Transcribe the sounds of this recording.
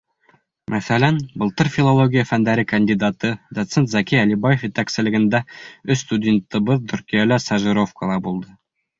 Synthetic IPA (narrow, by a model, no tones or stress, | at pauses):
mæθælænbɤ̆lˠt̪ɤɾfʲilˠolˠoɡʲijəfænd̪æɾɘkɐnʲd̪ʲid̪at̪ɤd̪ot̪sent̪zɑkʲijælibajefjit̪æksɘ̆lɘ̆ɡɘ̆nd̪æɵsst̪udʲent̪ːɤ̆bɤðt̪ʰɵ̆ɾkʲijælæsæʒiɾo̞fkəlˠɑbulˠd̪ɤ